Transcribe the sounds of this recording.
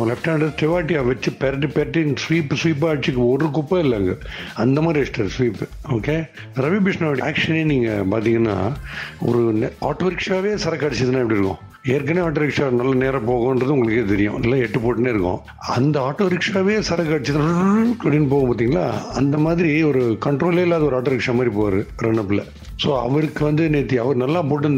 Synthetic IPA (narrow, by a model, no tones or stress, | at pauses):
lɛfʈaːɳɖɐsʈɛʋaːʈːɪaːʋɐt͡ʃːɯpɛɾɐʈ̬ːɯpɛɾʈːɪŋsʋiːpːsʋiːpːaːt͡ʃːɯkːɯɔɾɯkʊpːɐɪlːɐŋɡɐɐnd̪ɐmaːɾiɛʂʈɐɾsʋiːpːoːkeː | ɾɐʋibɪʂnaːʋɐʈia̰ːkʂɐneːniːŋɡɐ̰paːɾt̪iːŋɡɐnːa̰ːɔ̰ɾɯna̰ːʈːoːɾɪkʂaːʋeːsɐɾɐkːɐɽɛt͡ʃːɐðɯnːãːɪpɐɽiɪɾɯkːõ̰ | eːɾkːɐneːaːʈːoːɾɪkʂanɐlːɐneːɾɐ̃poːɣõɛndrɐðɯ̃ʊ̃ŋɡɐɭɯkːeːt̪ɛɾɪjʊ̰̃nɐlːãːɛʈːɯpoːʈːɯneːɪɾɯkːõ̰ː | ɐ̰nd̪ɐaːʈːoːɾɪkʂaːʋeːsɐɾɐkːɐɽɛt͡ʃːɐðɯnɐpɽinːɯpoːɣɐ̃paːɾt̪̬ːiːŋɡɐla̰ːɐnd̪ɐmaːðɪɾiɔɾɯkɐɳʈɾoːleːɪlːaːðɐɔɾɯaːʈːoːɾɪkʂaːmaːɾipoːʋaɾɯɾɐɳɐpːɪlːɐ̰ | soːɐ̰ʋɐɾɯkːɯʋɐnd̪ɯneːt̪ːiɐʋɐɾnɐlːãːp̬oːʈːɯnd̪